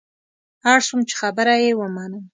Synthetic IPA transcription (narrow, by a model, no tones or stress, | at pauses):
ɑɾsumt͡ʃe̥xabəɾajewəmɑnəm